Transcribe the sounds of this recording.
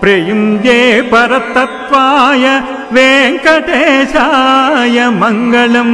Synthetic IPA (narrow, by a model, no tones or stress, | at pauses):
pɾejumjeːpɐɾɐt̪ːɐt̪ʋaːjɐ | ʋeːŋkɐʈeːʃajɐmɐŋɡɐɭɐm